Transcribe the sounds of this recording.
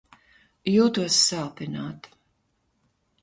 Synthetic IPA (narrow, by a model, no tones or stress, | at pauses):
juːt̪uɔsːaːpinaːt̪